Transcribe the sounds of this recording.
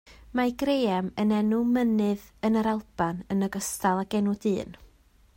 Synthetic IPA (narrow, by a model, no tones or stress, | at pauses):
maɡrejɛmənɛnumənɨðənəɾalˠb̥anənəɡəstalˠaɡ̥ɛnʊdɨːn